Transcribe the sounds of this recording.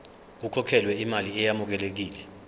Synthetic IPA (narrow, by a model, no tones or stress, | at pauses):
k̬ukʰɔkʰɛlwɛimaliɛjamuk̬ɛlek̬iːlɛ